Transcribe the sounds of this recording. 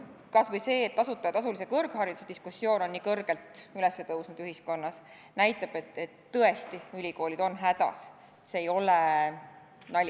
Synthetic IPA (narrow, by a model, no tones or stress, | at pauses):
kɑsvɤjse̞ːt̪ːɑsut̪ːˑɑɑt̪ɑsulis̬e̞kɤrɡ̥hɑɾid̪̥use̞d̪̥iskusːjo̞ːno̞nːiːkɤrɡ̥e̞lt̪ylɛsːet̪ɤwsnud̪yɦisko̞nːɑs | næjt̪ːˑɑb̥e̞t̪ːet̪ːɤe̞st̪iylʲiko̞ːlʲid̪̥o̞nɦæd̪̥ɑ̰s | et̪seːjo̞le | nɑlʲ